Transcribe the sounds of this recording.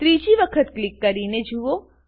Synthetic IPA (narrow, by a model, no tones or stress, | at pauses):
t̪ɾid͡ʒiʋəkʰət̪klikːəɾined͡ʒuo